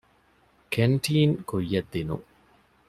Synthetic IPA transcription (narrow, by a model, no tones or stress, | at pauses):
kʰeɳʈiːŋkujːɐd̪ːinṵŋ